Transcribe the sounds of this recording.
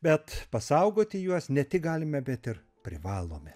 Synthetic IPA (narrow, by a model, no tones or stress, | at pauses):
bʲɛt̪pɐsɐʊɡoːt̪ʲɪjuɔsnʲɛt̪ʲɪk̚ɡɑːlʲɪmʲɛbʲɛt̪ɪɾ | pʲɾʲɪʋɑːlˠo̰ːmʲɛ